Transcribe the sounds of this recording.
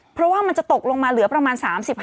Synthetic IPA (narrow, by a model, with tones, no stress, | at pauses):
pʰɾɔ˦˥waː˥˩ma˧nt͡ɕa˨˩t̪o˨˩k̚lo˧ŋmaː˧lɯ˨˩˦ɐpɾa˧maː˧nsaː˩˦msi˨˩p̚h